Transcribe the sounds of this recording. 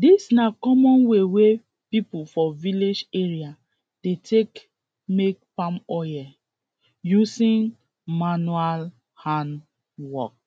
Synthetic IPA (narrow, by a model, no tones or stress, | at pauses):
disnakɔmɔ̃nwewe | pipufɔviled͡ʒeɹia | d̥etʰek | mek̚pãmɔjɛ | jusĩn | manual | hãn | wɔk̚